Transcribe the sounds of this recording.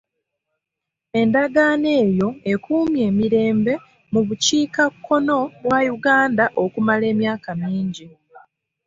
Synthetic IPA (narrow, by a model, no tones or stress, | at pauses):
e̞ndaɡaːne̞ːjo̞e̞kuːmje̞ːmiɾe̞ːmbe̞ | muβuciːkakʰːo̞no̞βwajuɡaːndaʔo̞kumale̞ːmjaːkamiːɲɟi